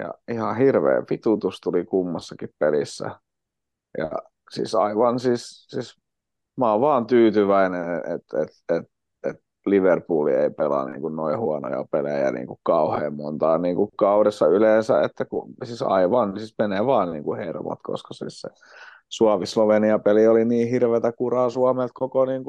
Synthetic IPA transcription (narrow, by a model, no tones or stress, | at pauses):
jɑ̰ihɑhirʋḛːfit̪ut̪ust̪ulikumːɑsːɑkippelisːæ̰ | jɑ̰ | sḭːsɑiʋɑnsiːssiːs | mɑoʋʋɑːnt̪yːt̪yʋæineet̪et̪et̪ | et̪ | liʋerpuːlḭeipelɑ̰nḭːŋkunnoihuɑno̰jɑ̰pelḛjæ̰nḭːŋkukkɑuhḛːmmont̪ɑːniːŋkukɑuɾesːɑyleːnsæ̰et̪ːækṵsisɑ̰iʋɑnsismeneʋɑːnnḭːŋkuhermo̰t̪ko̰skɑsḭːssḛ | suɑʋisloʋeniɑpelioliniːhirʋet̪ækurɑːˑsuɑmelt̪̚kokoniːŋku